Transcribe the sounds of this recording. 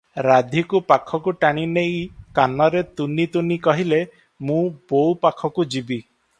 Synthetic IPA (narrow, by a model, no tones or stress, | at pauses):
ɾad̪ʱikupakʰɔkuʈaɽ̃inejkanɔɾet̪unit̪unikɔɦile | mũbowpakʰɔkud͡ʒibi